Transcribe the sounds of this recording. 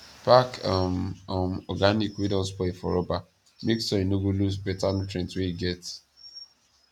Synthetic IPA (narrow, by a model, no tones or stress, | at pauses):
pakamɔmɔɡanikwidɔ̃spɔifɔ̰ɾɔba | meksɔinoɡolusbɛtantɾɛ̃ntweiɡɛt